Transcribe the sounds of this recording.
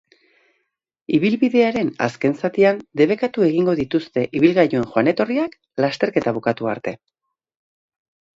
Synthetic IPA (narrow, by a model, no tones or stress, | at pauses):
iβ̞ilβiðe̞aɾe̞na̰ske̞nsat̪iand̪e̞β̞e̞kat̪ue̞ɣiŋɡo̞ðit̪ust̪e̞ʔiβ̞ilɣajoe̞ŋxoane̞t̪o̞riak | last̪e̞ɾke̞t̪aβ̞ukat̪uaɾt̪e̞